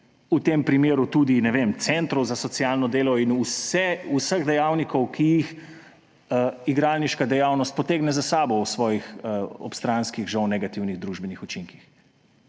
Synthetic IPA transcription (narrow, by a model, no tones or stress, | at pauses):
ut̪eːmpɾimeːɾut̪ud̪inɛʋemt̪sɛnt̪ɾɔwzasɔt̪sjaːlnɔd̪eːlɔinusɛusəɣd̪ɛjawnikʰɔwkʰijix | iɡɾalniʃkad̪ɛjaːwnɔst̪̚pɔt̪eːɡnɛzasaːbɔwsʋɔːjixɔ̰pst̪ɾanskiɣʒɐwnɛɡat̪iwniɣd̪ɾuʒbɛnixut͡ʃiŋkix